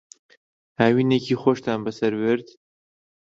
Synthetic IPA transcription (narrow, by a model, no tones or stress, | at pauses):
haːwiːnekʰiːxoʃt̪ʰaːnbɐsɐɾweɾt̪